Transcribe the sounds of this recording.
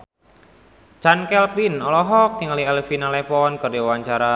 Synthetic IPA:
t͡ʃankɛlpinɔlɔɦɔk̚t̪iŋaliɛlefinalɛpɔnkɨrdiawaɲt͡ʃaɾa

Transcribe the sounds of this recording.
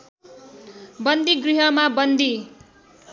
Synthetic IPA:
bʌnd̪iɡriɦʌmabʌnd̪i

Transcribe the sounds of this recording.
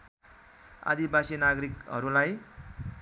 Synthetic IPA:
a̰d̪ibasinaɡʌɾikɦʌɾulaj

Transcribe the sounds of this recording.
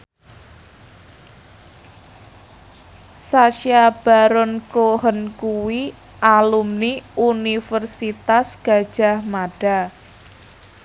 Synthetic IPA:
saʃjab̥a̤ɾɔnkoɦənkuwi | ʔalumniunifərsit̪asɡ̥a̤̥ʒ̥a̤hmaɖ̥a

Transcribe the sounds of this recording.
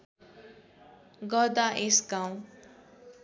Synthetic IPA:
ɡʌd̪aʔesɡaw̃

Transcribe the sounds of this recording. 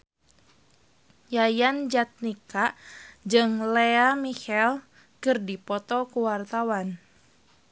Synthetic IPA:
jajand͡ʒat̪̚nikad͡ʒɨŋleamihɛl | kɨrdipɔt̪ɔkuwart̪awan

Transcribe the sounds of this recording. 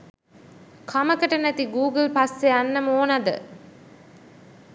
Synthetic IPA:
kʰaməkəʈənæt̪iɡuːɡəlpasːeanːɐmoːnɐd̪ə̰

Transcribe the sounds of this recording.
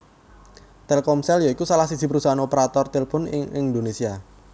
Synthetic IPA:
t̪elkɔmsɛljoikusalahsid̥z̥i̤pəɾusaanopeɾat̪ɔrt̪elpʊnɪŋɪŋnd̪onesia

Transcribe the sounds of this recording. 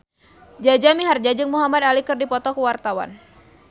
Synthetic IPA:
d͡ʒad͡ʒamiɦard͡ʒad͡ʒɨŋmuɦamad̪alikɨrdipɔt̪ɔkəwart̪awa̰n

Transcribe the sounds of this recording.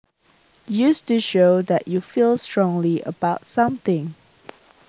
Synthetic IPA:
justuʃoʊdɛʔjufilˠstɹ̥ɔ̃ŋliʔə̰baʊtsãmθɪ̃ŋ

